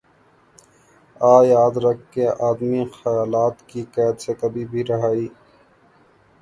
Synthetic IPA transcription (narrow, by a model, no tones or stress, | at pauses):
aːjaːd̪ɾɐkʰːeʔaːd̪mixɐjaːlaːt̪kikɛːd̪sekɐbʱibʱiɾɐɦaːiː